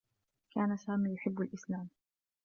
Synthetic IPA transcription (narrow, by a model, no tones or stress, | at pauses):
kʰaːnasaːmiːjʊħɪbːalʔɪslaːm